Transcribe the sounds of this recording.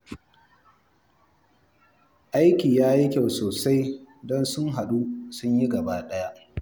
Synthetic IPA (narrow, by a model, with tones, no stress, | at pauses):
ʔa˦jkʲiː˨jaː˦ji˦kʲa˦˨wsoː˨sa˦jdɔ˦nsʊ˦ŋɦa˨ɗu˦sʊ˦ɲji˦ɡɐ˨baː˦ɗɐ˦ja˦ʔ